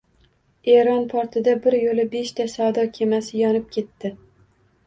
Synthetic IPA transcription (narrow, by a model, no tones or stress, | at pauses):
eɾɒnpʰɒɾt̪ʰɪd̪abɪɾjolɪbe̞ʃt̪ʰasad̪ɒkʲʰe̞masɪjɒnɪp̚kʲʰe̞t̪ːɪ